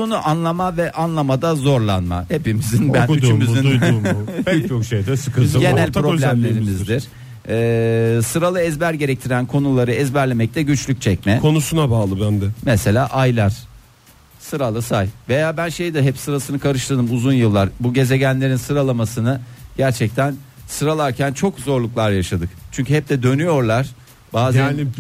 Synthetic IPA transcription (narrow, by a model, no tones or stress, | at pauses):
konuʔanlˠamavɛʔanlˠamad̪azo̞ɾlˠanma̰hepimizinbnyd̪t͡ʃymizinudyt͡ʃokʃej̪ɛsɯkʰɯɟe̞nælʲpɾolʲæmmlʲe̞ɾimizd̪iɾ̥ | ɛːsɯɾalˠɯɛzbæɾɟe̞ɾɛc̚t̪ʰiɾænkʰo̞nulˠaɾɯɛzbæɾlʲemɛc̚t̪ʰɛɟyt͡ʃlʲyc̚ʲt͡ʃʰɛc̚mɛkʰo̞nusunabaːlˠɯbænd̪ɛmɛse̞lʲaːʔajlˠaɾ̥ | sɯɾalˠɯsajve̞jaːbænʃejd̪ɛɦɛpsɯɾasɯnɯkʰaɾɯʃlˠad̪ɯmuzunjɯlˠːaɾbuɟe̞ze̞ɟænlʲe̞ɾinsɯɾalˠamasɯnɯɟ̥æɾt͡ʃʰɛc̚t̪ʰæn | sɯɾalˠaɾcʰænt͡ʃʰo̞kzo̞ɾlˠuklˠaɾjaʃad̪ɯkt͡ʃʰyɲcʰyɦɛp̚d̪ɛd̪ø̞nyjo̞ɾlˠaɾ̥ | baːzænn